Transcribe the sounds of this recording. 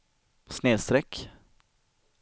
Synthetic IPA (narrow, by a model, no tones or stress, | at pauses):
sneːst̪ɾɛk